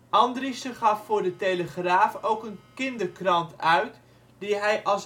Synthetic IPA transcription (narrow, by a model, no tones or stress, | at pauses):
ʔɑndristəχɑfːʊːɹdətejləχraːfowkənkɪndəɹkrɑntœɥt | diɦɛjʔɑlˠs